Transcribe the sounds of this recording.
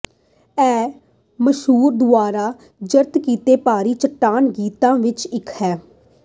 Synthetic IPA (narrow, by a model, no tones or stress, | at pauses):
ɛː | məʃɦuːɾd̪ʊaːɾaː | d͡ʒəɾt̪kiːt̪eːpaːɾiːt͡ʃəʈːaːnɡiːt̪ãːʋɪt͡ʃɪkʰhɛː